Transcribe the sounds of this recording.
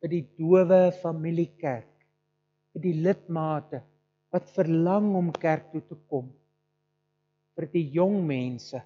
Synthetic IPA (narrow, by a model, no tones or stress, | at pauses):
fərdiduəvəfɐmilikærk | fərdilət̚mɑːtə | vɐtfərlɐŋɔmkærk̚tutəkɔm | fərdijɔŋmɛnsə